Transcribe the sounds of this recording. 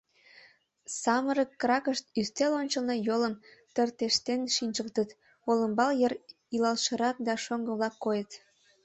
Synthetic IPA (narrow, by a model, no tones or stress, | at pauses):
sɑməɾəkːrɑkəʃt̪yst̪elonʲt͡ɕəlnɤjoləmt̪ərt̪eʃt̪enʃinʲt͡ʃək̚t̪ət̪ | oləmbɑljər | ilɑlʃəɾɑk̚d̪ɑʃoŋɡəβlɑkːojət̪